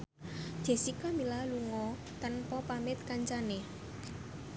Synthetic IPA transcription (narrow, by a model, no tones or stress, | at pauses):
d͡ʒ̥e̤sikɔmilaluŋɔ | t̪anpɔpamɪt̪̚kaɲt͡ʃane